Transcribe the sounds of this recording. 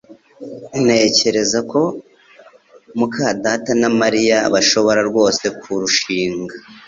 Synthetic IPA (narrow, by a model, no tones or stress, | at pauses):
ine̞ce̞ɾe̞zako̞ | mukaːdatanamaɾijaβaʃo̞βo̞ɾaɾɡwo̞ːse̞kʰuɾuʃiːŋɡa